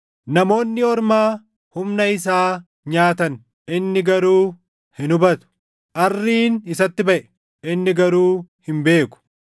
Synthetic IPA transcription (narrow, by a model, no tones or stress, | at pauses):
nɐmo̞ːnːɪɔɾmaː | hʊmnɐɪs̬aː | ɲaːt̪ɐn | ʔɪnːɪɡɐɾuː | hɪnʊbɐt̪ʊ̥ | ʔɐrːiːnɪsɐt̪ːɪbɐʔɛ̥ | ʔɪnːɪɡɐɾuːhɪmbe̞ːkʊ̥